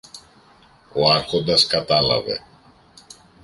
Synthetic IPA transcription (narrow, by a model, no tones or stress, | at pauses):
oakod̪askat̪ala̰vɛ̰